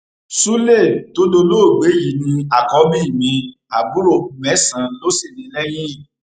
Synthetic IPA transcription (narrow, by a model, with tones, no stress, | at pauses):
su˦le˦˨to˨˦do˧lo˦˨ɡ͡be˨˦ji˨˦nĩ˧a˨kɔ˧mĩ˦i˦˨mĩ˨˧ | a˨bu˨˦ɾo˦˨˧mɛ˨˦sã˨˧˦lo˦se˦˨nĩ˨˧˦lɛ˦j̃ĩ˦˨